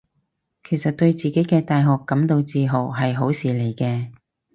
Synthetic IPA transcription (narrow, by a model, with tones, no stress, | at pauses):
kʰe˨˩jsɐ˨t̚t̪ɵ˧ɥt͡siː˨˩ke˨˥jkɛː˧t̪aː˨jɦɔː˨kːɐ˨˥mt̪o˧wt͡siː˧ɦo˨˩wɦɐ˨jɦo˨˥wsiː˨˩le˨˩jkɛː˧